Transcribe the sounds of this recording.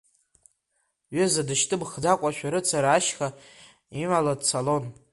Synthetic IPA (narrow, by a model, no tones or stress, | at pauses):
ɥɪzadɨʃtʰʼɨbχdakʷʼaʃᶣaɾɨt͡sʰaɾaːʃχa | imaladt͡sʰalo̞n